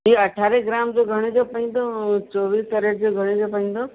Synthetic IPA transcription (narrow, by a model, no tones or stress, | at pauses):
iɐʈʰaːɾeɡɾaːmd͡ʒoɡʱɐɽ̃ed͡ʒopɐɦĩnd̪ot͡ʃɔːʋiːst̪ɐɾeʈd͡ʑoɡʱɐɽ̃ed͡ʒopɐɦĩːn̆d̪oː